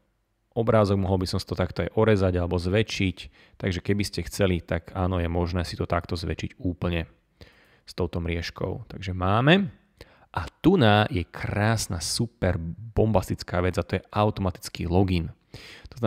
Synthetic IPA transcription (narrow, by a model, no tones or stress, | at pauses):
ɔbɾaːzɔɡ̚mɔɦɔlbisɔmsḁt̪ɔt̪akt̪ɔajʔɔɾɛzaɟalɛbɔzʋɛt͡ʃic | t̪aɡʒɛkɛbiscɛxt͡sɛlit̪aɡaːnɔjɛmɔʒnɛːsit̪ɔt̪akt̪ɔzʋɛ̰t͡ʃiɟuːpl̩ɲɛ | st̪ɔʊt̪ɔmɾɪɛʃkʰɔ̰ʊt̪aɡʒɛmaːmɛ | ʔat̪unaːjɛkʰɾaːsnasupɛɾbɔmbast̪it͡skaːʋɛd͡zat̪ɔjɛʔaʊt̪ɔmat̪i̥t͡skḭːlɔɡin | t̪ɔzna